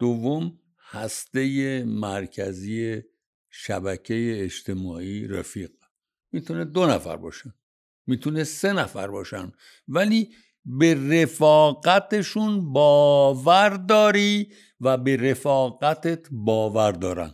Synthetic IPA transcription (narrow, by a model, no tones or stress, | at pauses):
d̪̥ovːom | hæst̪e̞jemæɾcʰæziːje | ʃæ̰bæcʰe̞jeːd͡ʒt̪ʰe̞mɒːiːɾḛfiːɣ̥ | miːt̪ʰuned̪o̞næfæ̰ɾbɒ̰ːʃæn | miːt̪ʰunese̞næfæ̰ɾbɒːʃæ̰nd̪ | væliː | bere̞fɒːɣæt̪ʰeʃunbɒːvæɾd̪ɒːɾi | væbe̞ɾe̞fɒːɣæt̪ʰet̪ʰbɒːvæɾd̪ɒːɾæ̰n